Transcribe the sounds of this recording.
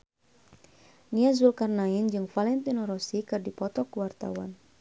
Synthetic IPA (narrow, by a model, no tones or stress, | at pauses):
niazulkarnaind͡ʒɨŋfalɛnt̪inɔɾɔsikɨrdipɔt̪ɔkuwart̪a̰wan